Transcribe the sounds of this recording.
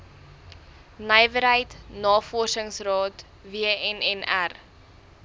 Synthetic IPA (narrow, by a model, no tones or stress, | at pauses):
nəjvəɾɦəjtnɑːfɔrsəŋsrɑːt | viəɛnɛnær